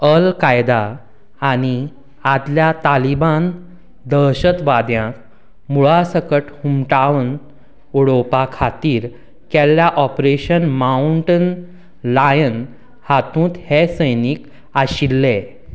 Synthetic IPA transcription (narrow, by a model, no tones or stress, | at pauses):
əlkajd̪aː | ɽ̃i | ad̪ljat̪aliban | d̪əɭɕət̪ʋad̪jãk | muɭasəkəʈhumʈaʋən | oɽopakʰat̪iːɾ | kɛljaʔɔpɾeɕənmauɳʈən | lajən | hat̪ũːt̪hesəjnik | aɕilːe